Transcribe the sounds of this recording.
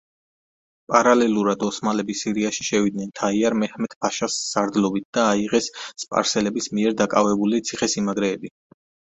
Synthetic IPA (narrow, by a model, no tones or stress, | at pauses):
pʼaɾalɛlˠuɾad̪ɔsmalɛbisiɾiaʃi̥ʃɛvid̪nɛnt̪ʰaiaɾmɛhmɛt̪ʰb̥aʃasːaɾd̪lɔbit̪̚ʰd̪̥aːiʁɛsːpʼa̰ɾsɛlɛbismiɛɾd̪akʼavɛbulit̪sʰiχɛsimaɡɾɛːbi